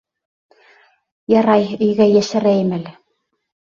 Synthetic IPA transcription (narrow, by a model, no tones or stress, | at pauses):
jɑɾɑjɵ̆jɡæjæʃæɾæjɘmælɘ